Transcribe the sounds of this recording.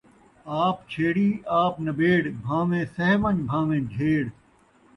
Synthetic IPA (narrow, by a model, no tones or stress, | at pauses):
aːpt͡ʃʰeːɽiːaːpnɐbeːɽbʱãːʋẽːsɐɦmɐ̃nbʱãːʋẽːd͡ʒʱeːɽ